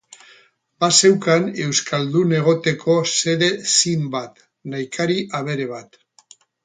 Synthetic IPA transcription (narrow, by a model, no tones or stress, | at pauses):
base̞wkane̞wskʰald̪une̞ɣ̞o̞t̪e̞kʰo̞se̞ðe̞simbat̪ | najkʰaɾiʔaβ̞e̞ɾe̞βat̪